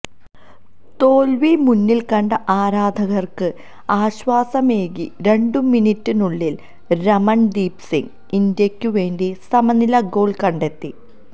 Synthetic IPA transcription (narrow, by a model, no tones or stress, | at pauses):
t̪oːlʋimunːilkɐɳɖɐʔaːɾaːd̪ʱɐɣɐrkɨ | aːɕʋaːsɐme̞ːɣiɾe̞ɳɖuminitːɨnuɭːil | ɾɐmɐɳɖiːpsiŋ | ind̪jɐkʲːuʋe̞ːnɖisɐmɐnilɐɡo̞ːɭkɐɳɖe̞t̪ːi